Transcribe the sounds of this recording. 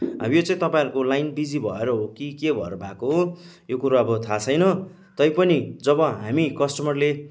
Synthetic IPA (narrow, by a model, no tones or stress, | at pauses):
ɦa̰mijot͡sãĩt̪ʌpãĩɾukolajnbid͡zibʱʌeɾʌɦokikebʱʌ̰ḛɾʌbʱakoɦo | jokuɾaʌbʌt̪ʰat͡sʰʌjnʌ | t̪ʌjpʌnid͡zʌbʌɦamikʌsʈʌmʌrle